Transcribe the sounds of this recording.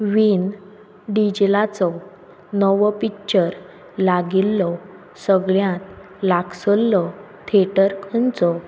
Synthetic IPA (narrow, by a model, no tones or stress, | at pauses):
ʋin | ɖid͡ʑlat͡sɔ | nɔʋpikt͡ɕəɾ | laɡilːɔ | səɡɭjãt̪̚ | laksəlːɔ | t̪ʰeʈəɾkʰənt͡sɔ